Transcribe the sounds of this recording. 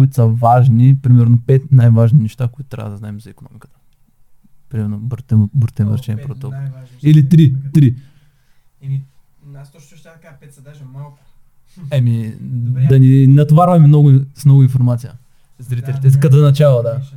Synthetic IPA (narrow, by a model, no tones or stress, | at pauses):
ʊit̪ʊ̥sɐvaʒnipɾimɛɾnopɛt̪najvaʒninɛʃt̪akoit̪ʊ̥t̪ɾʲa̰vəd̪ɐznaɛmzɐikonɔ̰mikə̥t̪ə̥ | pɾimɛɾnobɾt̪ɛbɾt̪ɛnvəɾt͡ʃɛnpɾot̪ɔkolˠilit̪ɾit̪ɾi | t̪ | kapɛt̪sd̪malˠk | ɛmid̪ɐninɐt̪ovaɾvɐmimnɔɡʊsmnɔɡʊĩnfoɾmat̪sijə | zɐɾit̪ɛlit̪ɛikɐd̪zɐnɐt͡ʃalˠɐd̪a